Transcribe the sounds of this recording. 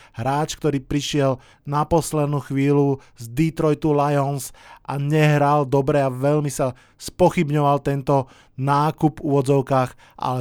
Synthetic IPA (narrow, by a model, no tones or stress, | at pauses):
ɦɾaːt͡ʃkt̪ɔɾiːpɾiʃɪɛl | napɔslɛd̪nuːxʋiːlu | zd̪it̪ɾɔjt̪ulajɔnsʔaɲɛɦɾald̪ɔbɾɛaʋɛʎmisa | spɔxibɲɔʋalt̪ɛnt̪ɔ | naːkupuʋɔd͡zɔʊkaːx | ʔa̰lɛ